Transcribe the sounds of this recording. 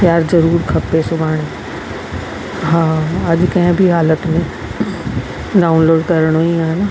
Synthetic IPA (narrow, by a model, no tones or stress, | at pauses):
kjaːɾzɐɾuːɾkʰɐpːesʊbʱaːɽ̃e | ɦãːɐd͡ʒkɐɦẽbʱiɦaːlət̪mẽ | ɖaːunloːɖkɐɾəɽ̃ɦoĩaːɦena